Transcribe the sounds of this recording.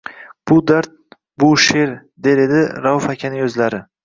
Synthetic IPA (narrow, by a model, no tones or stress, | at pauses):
b̥ʊd̪aɾt̪̚ | bʊʃeɾd̪e̞ɾed̪ɪɾaʊfakʲʰanɪɵzlaɾɪ